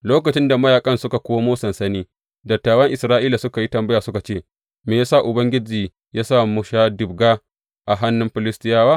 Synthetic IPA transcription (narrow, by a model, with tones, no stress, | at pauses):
loː˦kɐ˨t͡ʃɪ˦nda˨mɐ˦jaː˨kʼɐ˦nsʊ˦ka˨kʷoː˦moː˦sɐ˨nsɐ˦niː˦ | dɐ˨tːaː˨wɐ˦ŋʔɪ˨sɾaː˦ʔiː˦la˨sʊ˦ka˨ji˦tɐ˨mbɐ˦jaː˨sʊ˦ka˨t͡ʃeː˦˨ | meː˨jaː˦sa˦˨ʔʊ˨bɐ˦ŋɡʲɪ˦d͡ʒiː˨ | jaː˦saː˦˨mʊ˦ʃaː˦dɪ˨bɡaː˦ | ʔa˨ɦa˦nːʊ˦mɸɪ˨lɪ˦stɪ˦jaː˦waː˦